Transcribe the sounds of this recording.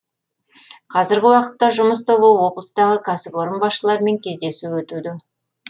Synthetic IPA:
qʰɑzɪɾɡʲɪwɑqə̥t̪ːɑʒʊməs̬t̪ʰobuwo̞blˠəst̪ɑʁəkʰasɪpo̞ɾəmbɑsʃəlˠɑɾme̞ŋkʲʰe̞zd̪e̞suwɵt̪ud̪ɪ

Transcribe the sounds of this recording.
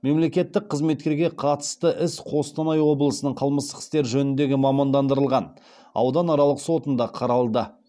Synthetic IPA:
me̞mle̞kʲe̞t̪ːɪk̚qʰːəzme̞t̪̚kʲe̞ɾɡʲe̞qʰɑt̪ə̥st̪əʔɪsqʰo̞st̪ɑnɑjwo̞blˠəsənəɴqʰəlˠməst̪əqɪ̥st̪e̞ɾʒɵnɪnd̪e̞ɡʲɪmɑmɑnd̪ɑnd̪əɾəlˠʁɑn | ɑ̰wd̪ɑnɑɾɑlˠəqso̞t̪ənd̪ɑqʰɑɾɑlˠd̪ə

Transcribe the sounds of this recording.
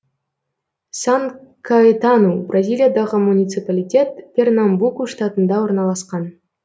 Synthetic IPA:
saŋkʰaet̪anubrazʲilʲˠijad̪ɑʁəmunʲit̪sɨpalʲijtʲe̞t̪pʲe̞rnambukuʂt̪at̪ənd̪ɑwo̞ɾnɑlˠɑsqɑn

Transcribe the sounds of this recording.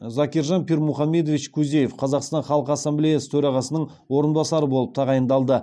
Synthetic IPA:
zɑkʲeɾʒɑnpʰiɾmuχɑmːe̞d̪ovit͡ʃkʲʰuze̞jefqʰɑzɑqst̪ɑnχɑlˠəqɑsːɑmblijɑsə̥t̪ʰɵɾɑʁɑsənəɴ | wo̞ɾənbɑsɑɾəbo̞lˠəp̚t̪ʰɑʁɑjənd̪ɑlˠd̪ə

